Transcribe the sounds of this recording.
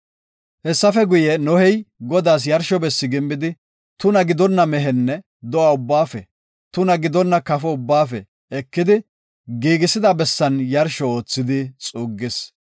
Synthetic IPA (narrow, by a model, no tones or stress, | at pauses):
hɛsːɐfɛɡʊjɛnɔhɛjɡɔd̪aːs̬jɐɾʃɔbɛsːɪɡɪmːbɪd̪ɪ | t̪ʊnɐɡɪd̪ɔnːɐmɛɦɛnːɛ | d̪ɔaʊbːaːfɛ̰ | t̪ʊnɐɡɪd̪ɔnːɐkɐfɔʊbːaːfɛ | ɛkːɪd̪ɪ | ɡiːɡɪsɪd̪ɐbɛsːɐnjɐɾʃɔoːt͡sːɪd̪ɪt͡sʼuːɡːɪs